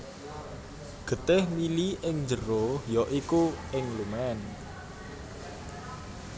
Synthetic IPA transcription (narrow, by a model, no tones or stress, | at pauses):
ɡ̥ə̤t̪ɪhmiliɪŋɲd͡ʒəɾohjɔʔikuɪŋluŋan